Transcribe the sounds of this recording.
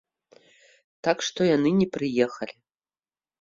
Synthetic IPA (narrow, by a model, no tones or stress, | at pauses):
t̪akʂt̪ɔjanɨnʲɛpɾɨjɛxɐlʲi